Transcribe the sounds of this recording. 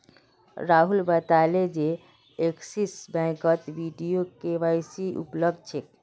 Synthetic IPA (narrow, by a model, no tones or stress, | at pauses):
ɾaɦulbət̪aled͡ʒe | eksisbɛ̃kət̪ʋiɖijokeʋajsiʔṵpləbd̪̚t͡ʃʰek